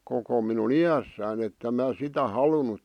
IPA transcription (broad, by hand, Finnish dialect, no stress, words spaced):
koko minun ijæsːæːn etːem mæː sitæ hɑlunut